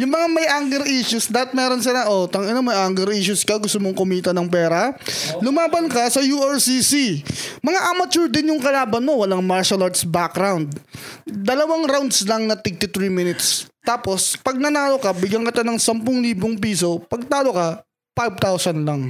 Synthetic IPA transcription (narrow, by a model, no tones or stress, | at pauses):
jʊŋmɐŋamɐjʔaŋɡɛɾʔiʃʊsd̪aːpɐt̪̚mɛːɾonsɪlaʔot̪ɐŋɐnomɐjʔaŋɡɛɾʔiːʃʊskɐɡʊst̪ʊmoŋkʊmiːt̪ɐnɐŋpɛːɾɐlʊmaːbɐnkɐsɐjuːɛɹsisimɐŋaʔamɐt͡ʃuɹd̪ɪnjʊŋkɐlaːbɐnmo̞wɐlaŋmaɹʃɐlɐɹt̪sbak̚ɾawnd̪̚d̪ɐlɐwaŋɾawnd̪slɐŋnɐt̪ɪɡ̚t̪ʊt̪ɾiːmɪnɪt̪st̪aːpo̞spɐɡ̚nɐnaːlokɐbɪɡjɐŋkɪt̪anɐŋsɐmpʊŋliːboŋpiːso̞pɐɡ̚t̪aːlokɐ | fajvt̪awsɐnlɐŋ